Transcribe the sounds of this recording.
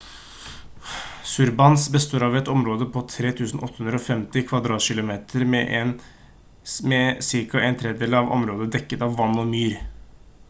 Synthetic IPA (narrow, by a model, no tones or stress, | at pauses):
sʉɾbɑnsbəst̪oːɾɑʋɛt̪ɔmɾoːd̪əpʰɔt̪ʰɾeːt̪ʰʉːsn̩ʔɔt̪ːəhʉnd̪ɾəɔfɛmt̪ɪkʰʋɑd̪ɾɑːt̪ʃɪlʊmeːt̪ʰəɾmɛʔn | mɛsɪɾkɑʔæɪnt̪ʰɾɛːd̪eːləɑʋɔ̰mɾoːd̪əd̪ɛkːət̪ɑʋːɑnːɔmyːɾ